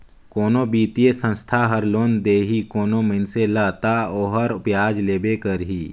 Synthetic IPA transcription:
koːnobiːt̪ijesə̃nst̪ʰaɦəɾloːnd̪eːɦikoːnomənselaːt̪aoːɦəɾʊpjaːd͡ʒleːbekəɾɦiː

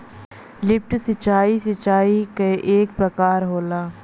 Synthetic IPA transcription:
lɪp̚ʈsɪt͡ʃaːisɪt͡ʃaːikeʔeːk̚pɾəkaːɾɦoːlaː

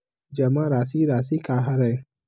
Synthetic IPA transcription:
d͡ʒɐmãɾasiɾas̬ikaɦaɾaj

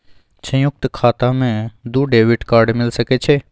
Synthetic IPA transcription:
sə̃jʊk̚t̪kʰaːt̪ãːmẽd̪uːɖeːʋɪʈkaːɾɖmɪlsəkeːt͡ʃʰeː

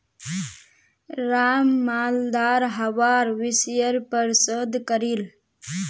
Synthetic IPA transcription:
ɾaːmːaːld̪aːɾɦəʋaːɾʋɪsjəɾpəɾsəd̪kəɾil

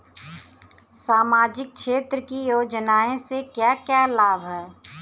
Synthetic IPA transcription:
saːmaːd͡ʒɪk̚ʰʃeːt̪ɾəkijoːd͡ʒnaːẽsekjaːkjalaːbʱɦɛː

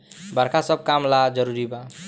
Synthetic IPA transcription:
bəɾkʰasəb̚kamlad͡ʒəɾuɾiba

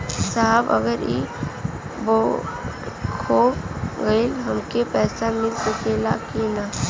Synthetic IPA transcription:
saɦəbə̰ɡəɾḭ | boː | kʰobɡəilɦɐmkepɛːsamɪlsəkelakina

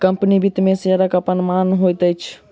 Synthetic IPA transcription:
kəmpnibʱit̪mẽsəɾəkəpənmanɦojt̪əjt͡ʃʰ

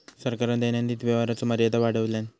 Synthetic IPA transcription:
səɾkəɾəɳd̪enjand̪iːt̪ʋjəʋaɾat͡soməɾjəd̪aʋaɽ̤əʋljan

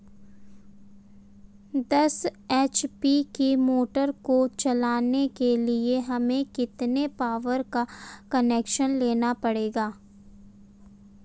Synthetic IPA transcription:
d̪ɐseːt͡ʃpikimoːʈəɾkot͡ʃɐlaːnekelieɦɐmẽkɪt̪nepaːʋəɾkakɐneːkʃənleːnapɐɽeːɡaː

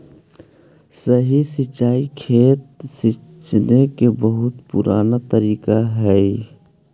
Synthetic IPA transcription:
səɦisit͡ʃaːikʰeːt̪̚sɪt͡ʃnekebəɦʊt̪pʊ̰ɾʔaːnat̪əɾiːkaɦɛ

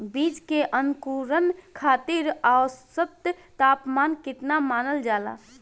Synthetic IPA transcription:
biːd͡ʒkeʔənkuɾənkʰaːt̪iɾasəbt̪ | t̪aːpmaːnkɪt̪namaːnəld͡ʒaːla̰

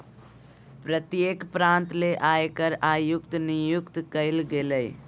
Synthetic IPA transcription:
pɾət̪jekpɾãnt̪leʔaekəɾajukt̪nijukt̪kəɪlɡeləj

